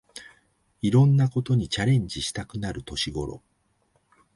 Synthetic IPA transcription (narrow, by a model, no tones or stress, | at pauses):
iɾõ̞nːako̞t̪o̞ɲ̟it͡ɕaɾẽ̞ɲ̟d͡ʑiɕi̥t̪akɯ̟naɾɯ̟t̪o̞ɕiɡo̞ɾo̞̰